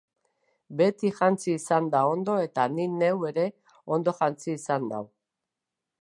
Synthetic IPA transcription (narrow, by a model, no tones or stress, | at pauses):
be̞t̪iʝant͡siːsand̪ao̞nd̪o̞e̞t̪anine̞we̞ɾe̞ | o̞nd̪o̞ʝant͡siːsand̪a̰w